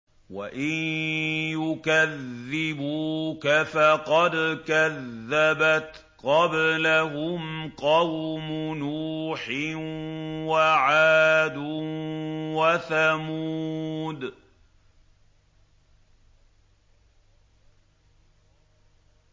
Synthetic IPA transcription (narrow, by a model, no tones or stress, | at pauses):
waʔɪnjʊkaðːɪbuːkafaqɑd̪kaðːabat̪ | qɑblaɦʊmqɑwmʊnuːħɪ | waʕaːd̪ʊ | waθamuud̪